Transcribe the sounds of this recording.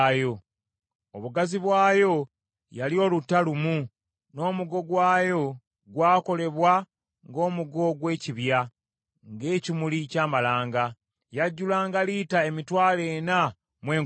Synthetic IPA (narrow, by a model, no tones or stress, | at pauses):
jo̞ | oβuɡaziβwaːjo̞ | jalio̞lutːalumu | no̞ːmuɡo̞ɡwaːjo̞ | ɡwaːko̞le̞βwa | ŋɡo̞ːmuɡo̞ɡwe̞ːciβja | ŋɡe̞ːcimulicaːmalaːŋɡa | jaɟːulaːŋɡaliːtae̞mitwaːle̞ːna | mwe̞ː